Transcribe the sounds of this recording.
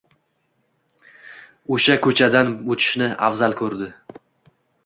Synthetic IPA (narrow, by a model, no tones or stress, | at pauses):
oʃakʰɵt͡ʃʰad̪anbot͡ʃ̪ʰɪ̥ʃnɪa̰fzalkʰɵɾd̪ɪ